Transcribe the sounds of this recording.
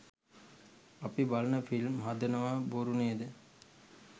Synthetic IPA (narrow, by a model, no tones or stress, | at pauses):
ɐpibalɐnəfilmɦad̪ənəʋaboɾuneːd̪ə